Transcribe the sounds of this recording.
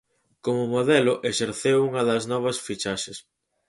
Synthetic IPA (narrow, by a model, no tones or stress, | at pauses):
komʊmoðɛlʊʔeʃeɾθewuŋɐðɐznɔβ̞ɐsfit͡ʃaʃɪs